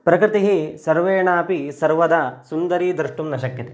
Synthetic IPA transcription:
pɾɐkɾɪt̪iɦisɐɾʋeːɳaːpisɐɾʋɐd̪ɐsund̪ɐɾiːd̪ɾɨʂʈumnɐʃɐkjɐt̪e

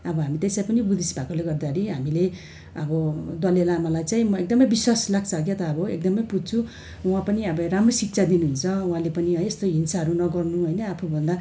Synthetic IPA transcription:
ʌbʌɦamit̪eslajpʌnibud̪ʱisbʱakoleɡʌrd̪aɾiɦamile | ʌbʌd̪ʌlelamʌlajt͡saĩmʌek̚d̪ʌmʌjbiswaslaɡ̚t͡sʰʌɡjet̪ʌːbʌek̚d̪ʌmʌjpud̚t͡sʰu | wãpʌniʌbʌɾamrosik̚t͡sʰad̪inuɦunt͡sʰʌwãlepʌniʌest̪oɦinsaɦʌɾunʌɡʌrnuɦʌjnʌapʰubʱʌnd̪a

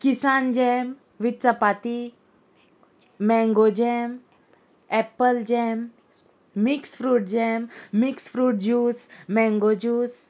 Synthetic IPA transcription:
kisand͡ʑɛm | ʋit̪t͡sapat̪i | mɛ̃ŋɡod͡ʑɛm | ɛpəld͡ʑɛmː | iksfɾuːʈ̚d͡ʑɛmmiksfɾuːʈ̚d͡ʑuːsmɛ̃ŋɡod͡ʑuːs

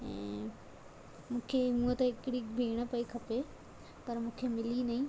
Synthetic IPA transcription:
ɛ̰̃ː | mũːkʰemũːt̪ɐɪkɽiːbʱeːɽ̃əpɐikʰɐpe | pɐɾmũːkʰemɪliːnɐĩː

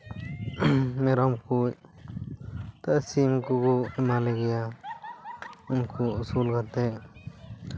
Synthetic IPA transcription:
mɛɾɔmkuc | t̪aʔsimkuɡɔɛmalɛɡɛja | unkuusulkat̪ɛ

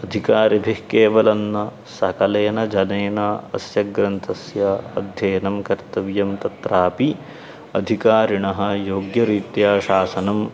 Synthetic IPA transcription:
ɐd̪ʱikaːɾɐbʱihkeːʋɐlɐnːɐ | sɐkɐleːnɐd͡ʒɐnɐːnɐɐ̰sjɐɡɾɐnt̪ʰɐsjɐɐ̰d̪ʱjɐːnɐmkɐɾt̪ɐʋjɐmt̪ɐt̪ɾaːpi | ɐd̪ʱikaːɾiɳɐɦɐ̆joːɡjɐɾiːt̪jaːʃaːsɐnɐm

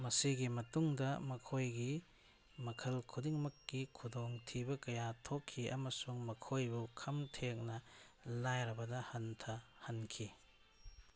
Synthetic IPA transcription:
mɐsiɡimɐtuŋdɐmɐkʰojɡi | mɐkʰɐlkʰudiŋmɐkːikʰudoŋtʰibɐkɐjatʰokʰːiʔɐ̰mɐsuŋmɐkʰojbukʰɐmtʰek̚nɐlajɾɐbɐdɐhɐntʰɐhɐnkʰi

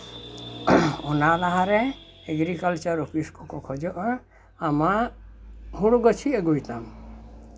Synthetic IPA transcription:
ɔnalaɦaɾɛ | ɛɡɾikalt͡ʃaɾɔkiskɔkɔkʰɔd͡ʒɔʔɔ | ama | ɦuɽɡɔt͡ʃʰieɡujt̪am

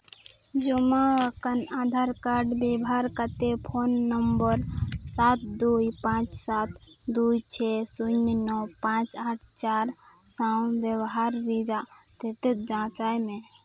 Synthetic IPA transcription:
d͡ʒomaakənaːd̪ʱaːɾkaɾɖbebɦaːɾkət̪epʰoːnːəmbəɾsat̪d̪ujpãːt͡ʃsat̪ | d̪ujt͡ʃʰɛsuɲnɔpãːt͡ʃat̚t͡ʃaːɾ | saw̃ʋjəwɦaɾɾid͡ʒa | t̪et̪et̪̚d͡ʒãːt͡ʃaːjmẽ

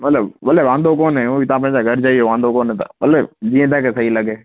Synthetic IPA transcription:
mɐt̪ləbʋəleʋãːnd̪okoːnɦɛ̃oːit̪ãːpə̃ɦd͡ʒaɡʱəɾd͡ʒaːiɦoʋãːnd̪okoːnɦɛ̃ːt̪a̰bəled͡ʒiːẽt̪ɛːkesəɦiləɡeː

